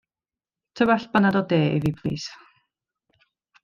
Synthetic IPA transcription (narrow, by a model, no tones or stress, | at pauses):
tʰəbaɬbanadɔdeːḭvipʰl̥ḭːs